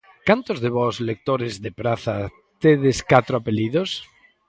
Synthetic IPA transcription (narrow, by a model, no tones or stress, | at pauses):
kant̪ozðeβɔzlek̚t̪oɾezðepɾaθa | t̪eðeskat̪ɾoapeliðos